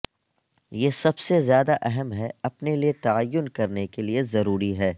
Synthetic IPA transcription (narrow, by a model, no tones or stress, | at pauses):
jeːsɐbsezjaːd̪aʔɛɦɛmɦɛɐpneliet̪aajːʊnkɐɾnekeliezɐɾuːɾiɦɛː